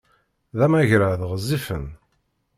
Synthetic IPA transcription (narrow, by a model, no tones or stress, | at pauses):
ðæmæʝɾaðʁəzːifə̰n